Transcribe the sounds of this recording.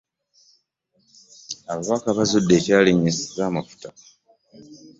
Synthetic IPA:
aβaβakaβazudːe̞ːcaːliɲːesizaːmafu̥ta

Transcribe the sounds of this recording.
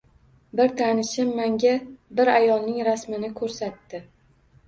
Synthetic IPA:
bɪɾt̪ʰanɪʃɪmːaŋɡʲabɪɾajɒlˠnɪŋɾasmɪnɪkʰɵɾsat̪ːɪ

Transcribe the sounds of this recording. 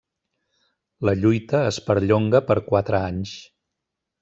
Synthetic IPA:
ləʎujt̪əːspəɾʎoŋɡəpəɾkwat̪ɾəaɲs

